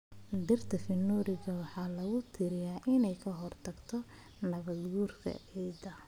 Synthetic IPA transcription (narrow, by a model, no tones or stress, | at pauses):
dɪrt̪ʰɐfɪnːuːɾɪɣɐwɑħɑːlɐɣʊt̪ʰɪɾɪjaːʔɪnɛjkʰɐɦɔrt̪ʰɐɡt̪ʰɔ | nɐβɐd̪ɡuːrkʰɐ̰ɛjd̪ɐ